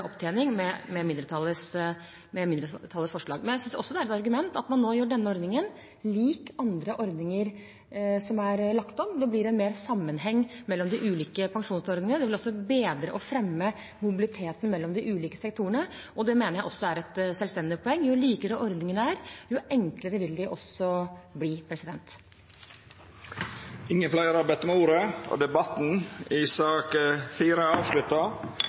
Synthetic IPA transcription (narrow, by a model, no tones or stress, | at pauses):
ɔpt̪ʰeːnɪŋmɛmɛmɪnd̪ɾət̪ʰɑlːəs | mɛmɪnd̪ɾət̪ʰɑlːəsfɔʂɭɑːɡmɛnjæɪsʏnsɔsːɔd̪ɛæɾɛt̪ɑɾɡʉmɛnt̪ɑt̪mɑnːoːjøːɖɛnːəɔɾd̪ɪŋən | liːkɑnd̪ɾəʔɔɾd̪nɪŋəɾ | sɔmæɾlɑkt̪ɔmd̪ɛblɪɾɛnmeːɾsɑmːənɦɛŋːmɛlːɔmd̪ɪʔʉːliːkəpʰɑŋʂuːnsɔɾd̪ɪŋənəd̪ɛʋɪlɔsːɔbeːd̪ɾə̰ʔɔfɾɛmːə | mʊbɪlɪt̪ʰeːt̪ən̩mɛlːɔmd̪ɪʔʉːliːkə̥sɛk̚t̪ʰuːəɳə | ɔd̪ɛmeːnəɾjæɪɔsːɔæɾɛt̪sɛlst̪ɛnd̪ɪpʰɔɛŋːjʊliːkəɾəʔɔɾd̪nɪŋənəæːɾjʊɛŋkləɾəʋɪld̪ɪʔɔsɔbliːpʰɾɛsɪd̪ɛnt̪ | ɪŋːənflæɪɾɑɾbæɪt̪ɔmuːɾəɔ̰d̪ɛbɑt̪n̩ɪsɑːkfiːɾəɑːʋʂlʉt̪ːɑ